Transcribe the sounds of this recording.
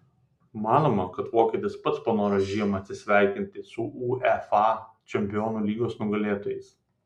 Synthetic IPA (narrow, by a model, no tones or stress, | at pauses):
mɑːnoːmɐkɐt̪ʋoːkʲeːt̪ʲɪspɐt̪spɐnoːɾɐʒʲiːjɛmɐt̪ʲsʲɪsʲʋʲæˑɪkʲɪnʲt̪ʲɪsʊʔuːɛfɑː | t͡ʃʲɛmʲpʲɪjɔːnuːlʲiːɡoːsnʊɡɐlʲeːt̪oːjɛɪs